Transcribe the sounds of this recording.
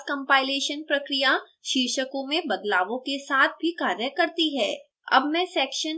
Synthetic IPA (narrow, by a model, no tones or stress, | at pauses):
skɐ̃mpaːɪleːʃənpɾɐkɾija | ʃiɾʃəkõmẽbɐd̪laːʋõkesaːt̪̚ʰbʱikaːɾjəkɐɾt̪iɦɛː | ɐ̰bmɛ̃sɛːkʃən